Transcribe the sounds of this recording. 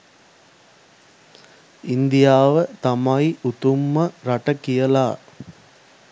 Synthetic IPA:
ind̪ijaːʋət̪ɐmɐiʔut̪umːəɾɐʈɐkijəlaː

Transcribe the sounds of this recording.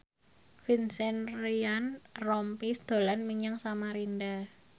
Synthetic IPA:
finsɛnɾianrɔmpisd̪̥o̤lanmiɲaŋsamaɾinda

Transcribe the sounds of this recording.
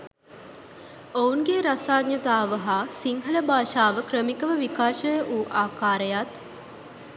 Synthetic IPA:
ouŋɡeɾasaːɡɲjɐt̪aːʋəɦaːsiŋɦələbaːʃaːʋəkɾəmikəʋəʋikaːʃəjəʔuːʔaːkaːɾəjat̪

